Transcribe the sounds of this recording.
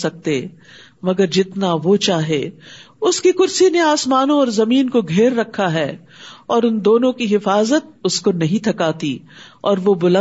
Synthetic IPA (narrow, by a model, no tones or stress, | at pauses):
sɐk̚t̪eː | mɐɡəɾd͡ʒɪt̪naʋot͡ʃaːɦe | ʊskikʊɾsineaːsmaːnõɔːɾzɐmiːnkoɡʱeːɾːɐkʰːaɦɛː | ɔːɾʊnd̪oːnõkiɦɪfaːzət̪̚ʊskonɐɦĩt̪ʰɐkaːt̪iɔːɾʋobʊlə̃